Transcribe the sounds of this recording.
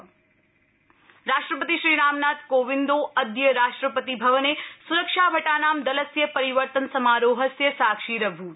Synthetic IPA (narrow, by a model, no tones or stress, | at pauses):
ɾaːʂʈɾəpət̪iʃɾiːɾaːmnaːt̪̚koːʋind̪oːɐd̪jɐɾaːʂʈɾɐpɐt̪ibʱɐʋɐneːsuɾɐkʂaːbʱɐʈaːnaːmd̪ɐlɐsjɐpɐɾiʋəɾt̪ɐnsɐmaːɾoːɦɐsjɐsaːkʂiːɾɐbʱu